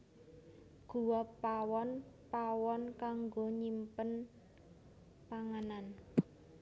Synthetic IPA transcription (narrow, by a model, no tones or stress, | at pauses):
ɡ̥ṳwɔpawɔnpawɔnkaŋɡoɲimpən | paŋanan